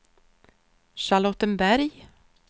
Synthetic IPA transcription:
ʃalɔt̪ːənbæɾj

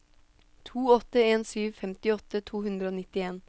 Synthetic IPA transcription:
t̪ʰuːɔt̪əeːnsyːʋfɛmt̪ɪɔt̪ət̪ʰuːhʉnd̪ɾəoːnɪt̪ɪeːn

